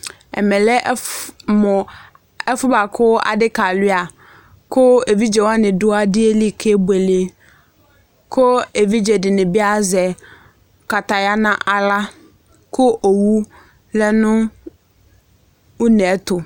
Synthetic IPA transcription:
ɛ̰˨mɛ̃˨lɛ˦mʊ̃˨ | ɛ˦fʊ˦ba˨kʰʊ˦a̰˨dɪ˦ka˨lɪ˦a˨ | kʰʊ˦e˨vi˦d͡ʒɛ˨wa˦nɪ̃˨dʊ˦a˦dɪ˦e˦li˦kʰe˦bu˨e˨le˨ | kʰʊ˦e˨vi˦d͡ʑɛ˨dɪ˨nɪ̃˨bɪ˦a˦zɛ˨ | ka˨ta˨ja˦nã˦ʔa˨la˦ | kʰʊ˦ʔo˨wu˦ | lɛ˦nʊ̃˦ | ʊ˦nɛ˨˦tʊ˨

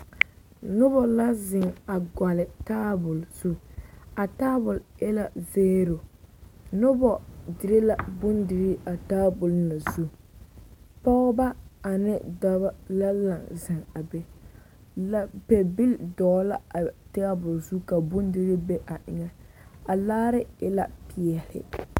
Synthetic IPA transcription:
nʊ˦bɔ˨la˦zɪ˨ŋa˨ɡa˨lɪ˨taː˦bʊ˨lz̥u˦a˨taː˦bʊ˨ljɛ˦la˨zeː˦ɾo˨ | nʊ˦bɔ˨dɪ˨˦ɾɪ˦la˨bʊ˦ndɪ˨ɾɪ˦ʔa˨taː˦bʊ˨lna˨zu˦ | pɔ˦ɣʊ˦ba˦a˨nɪ˦da˦ba˦la˦la˨ŋzɪ˨ŋa˨be˦ | la˦pe˨bi˦ldɔː˨˦la˦˨ta˦bʊ˨lzu˦ka˨bʊ˦ndɪ˦ɾɪ˦be˦ʔa˨ʔɪ˨ŋɛ˦a˨laː˦ɾɪ˦ɪ̰˦la̰˦pi˨ɛ˨lɪ̰˨

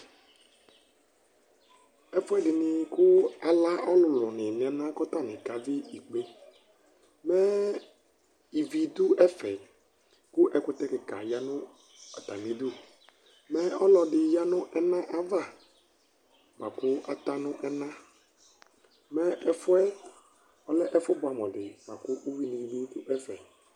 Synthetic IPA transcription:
ɛ˦fʊ˦ɛ˦ɖɪ˨nɪ˨kʊ˦a˨la˦ʔɔ˦lʊ˨lʊ˨nɪ̃˨nɪ̃˨ɛ˨nã˦kɔ˦t̪a˦˨nɪ̃˨ka˨dɪ˦i˨k͡pe˦ | mɛ˦ | i˨vi˨d̪ʊ˦ʔɛ˦fɛ˨ | kʊ˦ʔɛ˨kʊ˦t̪ɛ˦kɪ˨ka̰˨ja˦nʊ̃˦ | a˨t̪a˨mĩ˨˦d̪u˦ | mɛ˦ɔ˦lɔ˨dɪ˨ja˦nʊ̃˦ʔɛ˦nã˦ʔa˨va˦˨ | mã˨kʊ˦a˨t̪a˦nʊ̃˦ʔɛ˦nã˦ | mɛ˦ɛ˨fʊ˦ɛ˦ | ɔ˦lɛ˦ʔɛ˦fʊ˦bʊ˨a˨mɔ̃˨dɪ˨mã˨kʊ˦ʔu˦wi˦nĩ˨di˦kʊ˦ʔɛ˦fɛ˨

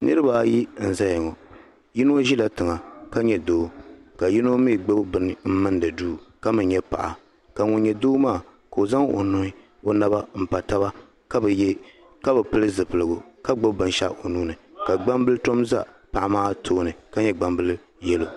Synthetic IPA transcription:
nʔɨ˦ɾɨ˦ba˨˦ji˦n̩˨za˦jɛ˨ŋɔ˨ | ji˦no˦ʒi˦la˦tɨ˨ŋa˨ka˦ɲɛ˦doː˦ka˨ji˦no˦mi˦˨ɡ͡bo˦bbɨ˨nɨ˨m̩˦mɨ˦ndɨ˨duː˦ka˦mɨ˨nɲɛ˦pa̰˨ʔa̰˨ | ka˨ŋʊ˨n˦ɲɛ˨doː˦maː˦˨ | ka˨o˨za˦ŋo̰˨nu˦ni˦ | o˦na˦ba˦m̩˨pa˨ta˦βa˦ | ka˦b | ka˦bɨ˨pɨ˦lɨ˦zɨ˨pɨ˨lɨ˨ɡʊ˨ka˦ɡ͡bɨ˦bbɨ˨n˦ʃa̰˦o˨nuː˦nɨ˨ka˨ɡ͡ba˦mbɨ˦lɨ˦to˦mza̰˦ | pa˨ʔa˨maː˦tʰoː˦nɨ˨ka˦ɲɛ˦ɡ͡ba˨mbɨ˦lɨ˦ | jɛ˦lu˨

